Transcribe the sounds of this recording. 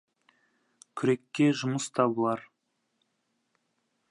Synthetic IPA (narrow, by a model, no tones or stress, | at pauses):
kʲʰʏɾe̞kʲːe̞ʒʊməst̪ʰɑbəlˠɑɾ